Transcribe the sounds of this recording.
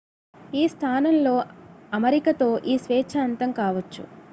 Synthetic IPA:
iːst̪ʰaːnɐmlo̞ːɐmɐɾikɐt̪o̞ːʔiːsʋɛːt͡ʃʰaːnt̪ɐmkaːʋɐt͡ʃːṵ

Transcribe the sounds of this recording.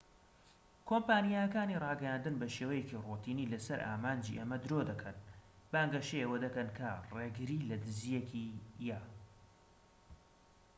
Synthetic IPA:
kʰoːmpaːnijajɐkaːnirˤɑːɡɐjand̪ɨnbɐʃewɐjecirot̪iːnilɐsɐɾʔa̰ːmaːnd͡ʒḭʔemɐd̪ɨɾod̪ɐkʰɐnb̥aːŋɡɐʃeewɐd̪ɐkɐnkʰɐreɡɨɾilɐd̪ɨzijekijaː

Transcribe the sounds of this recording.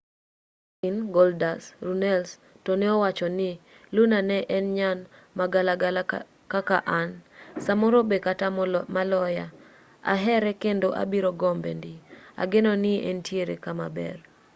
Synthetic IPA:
inɡɔldasrunɛls | tonɛɔwat͡ʃɔnɪ | lunanɛʔɛnɲan | maɡala | kakaʔansamɔɾobekatamalɔja̰ | a̰ɦɛɾɛkendoʔa̰biɾoɡɔmbḛndia̰ɡɪnɔnɪʔɛntjeɾekama̰bɛ̰r

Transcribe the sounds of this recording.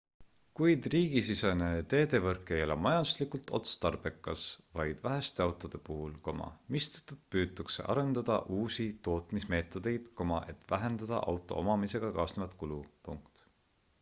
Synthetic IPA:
kujd̪̥riːɡis̬isenet̪e̞ːd̪e̞vɤrkːˑe̞jo̞le̞̰mɑjɑnd̪̥uslikult̪ʰo̞̰t̪st̪ɑrb̥e̞kːˑɑsvɑjd̪̥væɦest̪e̞ɑwt̪ˑo̞d̪̥e̞puɦulko̞mɑ̰mist̪e̥t̪ːud̪̥̚pyːt̪ːˑukse̞̰ʔɑ̰ɾe̞nd̪̥ɑd̪̥ɑ̰ʔuːsit̪o̞ːt̪ˑmisme̞ːt̪ːˑo̞d̪̥e̞jd̪̥ko̞mɑʔe̞t̪ˑvæɦe̞nd̪ɑd̪ɑ̰ʔɑ̰wt̪ˑo̞̰o̞̰mɑmise̞ɡ̥ɑkɑːsnevɑt̪kulupuŋkt̪

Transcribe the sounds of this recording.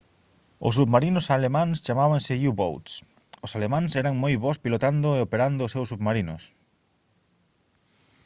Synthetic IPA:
ʊ̰sːuβmaɾinʊsalemãŋst͡ʃamaβaŋsɪjuβo̰wt̪s | ʊsalemãŋsɛɾɐŋmojβɔspilot̪and̪ʊeopeɾand̪ʊːsewsːuβmaɾinʊ̰s

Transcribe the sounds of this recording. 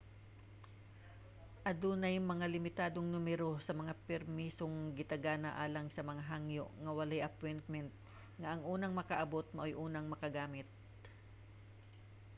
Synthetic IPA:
ʔɐd̪unɐjmɐŋalɪmɪt̪aːd̪oŋnʊmɛɾo̞sɐmɐŋapɛɾmiːsoŋɡɪt̪ɐɡaːnɐʔaːlɐŋsɐmɐŋaɦaŋjo̰ʔŋɐwɐlajʔɐpojnt̪̚mɛnt̪̚ | ŋɐʔɐŋʔuːnɐŋmɐkɐʔɐbo̞t̪̚mɐʔojʔuːnɐŋmɐkɐɡaːmɪt̪̚

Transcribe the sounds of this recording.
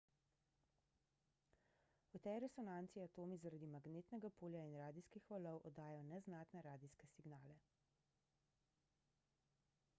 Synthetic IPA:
ɔt̪ɛɾɛsɔnaːnt̪siat̪oːmizaɾad̪imaɡneːt̪nɛɡapoːljainɾaːd̪iskixʋalɔwʔɔd̪aːjɔnɛznaːt̪nɛɾaːd̪iskɛsiɡnaːlɛ

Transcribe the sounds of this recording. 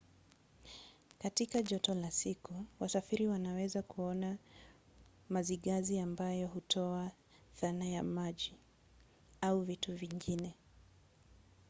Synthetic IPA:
katikaʄɔtɔlasikuwasafiɾiwanawɛzakuɔna | maziɠaziambajɔɦutʰɔa | θanajamaʄi | auvituviŋɡinɛ

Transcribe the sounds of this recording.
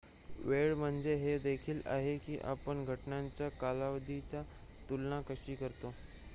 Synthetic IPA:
ʋeɭm̤əɳd͡zeɦed̪ekʰiːla̰ɦekiːʔa̰pəɳɡʱəʈnãɲt͡ɕjakalaʋəd̪ʱit͡ɕja | t̪ulnakəɕiːkəɾt̪o

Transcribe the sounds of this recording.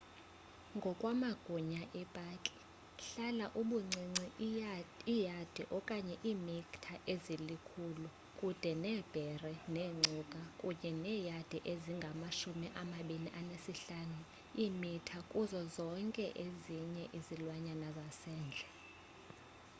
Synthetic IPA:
ŋɡʱɔkʼwamaɡ̥ʱuɲaʔɛpʼaːkʼi̥ | ɬalaʔuɓuŋ͡ǀʱiŋ͡ǀi | ijad̥ʱiʔɔkʼaɲɛʔiːmiktʰaʔezilikʰulu | kʼud̥ʱɛnɛːb̥ʱɛrɛneːŋ͡ǀʱukʼakʼuɲɛnɛːjad̥ʱɛiʔeziŋɡʱamaʃumiʔamaɓiniʔanesiɬanu | imitʰakʼuzɔzɔŋkʼɛ̰ʔeziɲɛʔizilwaɲanazasɛːnd͡ɮʱɛ

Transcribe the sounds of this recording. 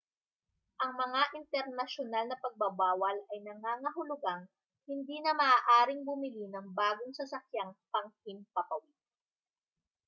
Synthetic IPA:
ʔɐŋmɐŋaʔɪnt̪ɛɾnɐʃonalnɐpɐɡ̚bɐbaːwɐlɐjnɐŋaːŋɐɦʊlʊɡaŋ | hɪnd̪iːnɐmɐaːʔaːɾɪŋbʊmɪlinɐŋbaːɡoŋsɐsɐkjaŋpɐŋhɪmpɐpɐwɪt̪̚

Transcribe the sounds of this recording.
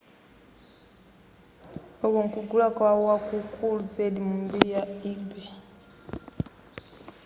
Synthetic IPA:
oβoŋkuɡulakwawakukʰuluzelimumbiɾijaibe

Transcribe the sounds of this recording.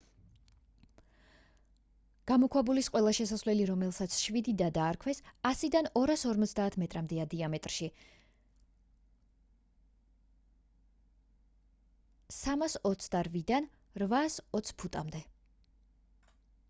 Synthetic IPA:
ɡ̥amɔkʰwabulisqʼwɛlˠaʃɛsasvlɛliɾɔmɛlˠsat̪sʰʃvid̪id̪ad̪aːɾkʰwɛsasid̪anɔɾasɔɾmɔt̪sʰd̪aːt̪ʰmɛt̪ʼɾamd̪ɛad̪iamɛt̪ʼɾʃi | samasɔt̪sʰd̪aɾvid̪an | ɾvasɔt̪sʰpʰut̪ʼamd̪ɛ

